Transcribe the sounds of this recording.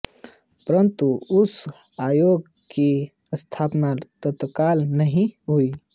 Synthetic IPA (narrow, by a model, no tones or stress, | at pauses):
pəɾənt̪uʊsaːjoːɡ | ke | əst̪ʰaːpnaɾt̪ət̪kaːlnəɦĩɦui